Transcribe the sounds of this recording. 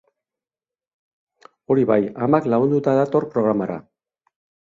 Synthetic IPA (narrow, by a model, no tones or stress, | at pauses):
o̞ɾiβajamaklaɣund̪ut̪aðat̪o̞rpɾo̞ɣ̞ɾamaɾa̰